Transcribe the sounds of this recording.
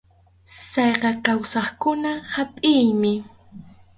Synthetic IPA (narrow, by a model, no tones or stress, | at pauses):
sɑjqɑkawsɑχkʊnahapʼɪjmɪ